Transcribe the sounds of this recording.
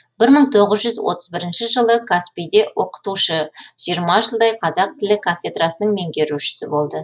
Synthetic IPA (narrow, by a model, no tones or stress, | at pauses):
b̥ɪɾməɴt̪ʰo̞ʁəzʒʏzwo̞̰t̪ə̥zbɪɾɪnʃɪʒəlˠəkʰaspijd̪e̞wʔo̞qə̥t̪uʃəʒ̥ijəɾmɑʒəlˠd̪ɑjqʰɑzɑq̚t̪ʰɪlɪkʰafʲed̪rɑsənəɴme̞ŋɡʲe̞ɾuʃɪ̥sɪbo̞lˠd̪ə